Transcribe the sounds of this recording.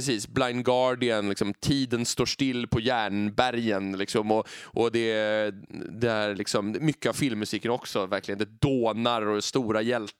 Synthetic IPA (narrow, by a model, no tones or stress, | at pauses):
ɾɛsiːsblaɪnɡɑɖɪənlɪksɔmt̪ʰiːd̪ənst̪oːʂʈɪlːpʰɔjæːɳbæɾjənlɪksɔmɔʔɔd̪ɛ | d̪ɛæɾɭɪksɔmmʏkːəavfɪlmːsiːkənɔksɔvæɾklɪɡənd̪ɛd̪oːnaɾɔst̪uːɾajɛlt̪